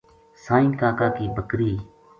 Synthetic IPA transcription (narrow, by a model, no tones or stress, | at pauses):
sãːĩːkaːkaːkiːbʱəkɾiː